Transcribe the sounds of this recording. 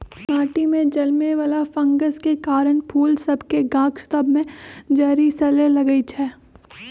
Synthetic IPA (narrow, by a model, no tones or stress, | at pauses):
maːʈimẽd͡ʒɐlmeʋalafɐ̃ŋɡəskekaːɾənpʰuːlsɐbʱkeɡãːkʃt̪əbʱmẽd͡ʒaːɾisɐlelɐɡəit͡ʃʰɛː